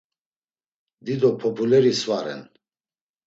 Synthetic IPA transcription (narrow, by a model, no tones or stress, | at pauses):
d̪id̪ɔpʰɔpʰulɛɾisvwaɾɛ̰n